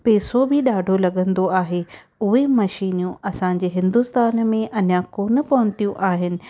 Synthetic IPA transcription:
peːsobʱɪɗaːɖʱolɐɠə̃nd̪oaːɦe | ʊɦemɐʃiːnjũʔɐsãːɲd͡ʑeːɦɪ̃nd̪ust̪aːnmẽʔɐnjakoːnə̆pɐʋʊ̃nt̪ijũʔaːɦɪnɪ̆

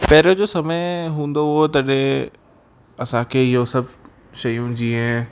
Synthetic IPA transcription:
pɛːɾod͡ʑoːsɐməɪɦũːn̆d̪oɦʊɦot̪ɐɗẽ | ɐsãkʰeːɪɦosɐbʱ | ʃɐjũd͡ʑiːɦẽ

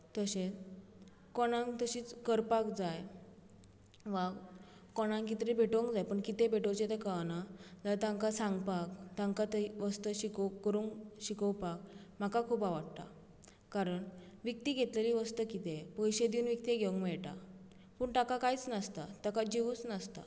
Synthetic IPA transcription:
t̪əɕet͡s | kɔɽ̃ãŋkt̪əɕiːt͡skəɾpakd͡zaj | ʋa | kɔɽ̃ãŋkit̪ɾibʱeʈoŋkd͡zajpəɳkit̪ebʱeʈot͡ɕet̪ekanad͡zat̪ãŋkasaŋɡpakt̪ãŋkat̪əʋəst̪əɕikəkːəɾuŋɕikəwpakm̤akakʰupaʋaɽt̪a̰ | kaɾəɳ | ʋik̚t̪iɡʱet̪ləɾiʋəst̪əkit̪epəjɕed̪iːnʋikt̪iɡʱeʋəŋkmɛɭʈa̰ | puːɳʈakakait͡snast̪at̪akad͡ʑiʋut͡snast̪a̰

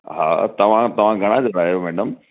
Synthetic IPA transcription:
ɦa̰ːt̪ɐʋ̤ãt̪ɐʋ̤ãɡʱɐɽ̃ãd͡ʑoːɾaːijomɛːɖəm

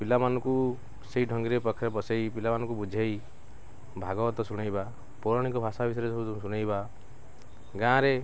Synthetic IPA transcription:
pilamanɔ̃ku | seiɖʱɔŋɡiɾepɔkʰːjɔpɔsejpilamanɔ̃kubud͡ʒʱej | bʱaɡɔbɔt̪ɔsuɽ̃ajba | pɔɾɔɽ̃ikɔbʱasabisɔjɾesɔbut̪usuɽ̃ajba | ɡãɾe

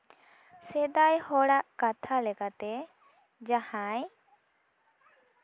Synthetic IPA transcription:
sɛd̪ajhɔɽaʔkat̪ʰalɛkat̪ɛ | d͡ʒahãj

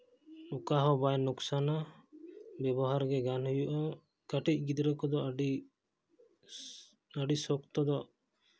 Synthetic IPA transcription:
ukaɦɔbajnuksana | bɛbɔɦaɾɡɛɡanhujuʔɔ | kaʈic̚ˀɡid̪ɾɛkɔd̪ɔɖi | aɖisɔkt̪ɔd̪ɔʔ

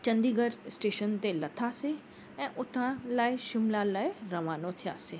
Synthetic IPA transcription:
t͡ʃɐ̃nd̪iːɡəɾsʈeːʃənt̪elɐt̪ʰaːse | ɛ̃ːʔʊt̪ʰãlaːiʃɪmlãlaːiɾɐʋaːnot̪ʰɪja̰ːseː

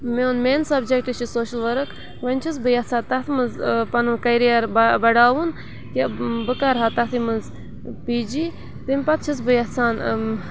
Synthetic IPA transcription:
meunmeːnsɐbd͡ʒek̚ʈɨt͡ʃʰisoːʃɨlʋɐɾɨkʰ | ʋɐnʲt͡ʃʰis̬bɨjɐt͡sʰaːt̪ɐt̪ʰmɨzpɐnɨnkɐjɾijaɾbbɐɖaːʋun | kebɨkaɾɦat̪ɐt̪ʰimɨnz | piːd͡ʒiː | t̪ɨmʲpɐt̪̚t͡ʃʰis̬bɨjɐt͡sʰaːn

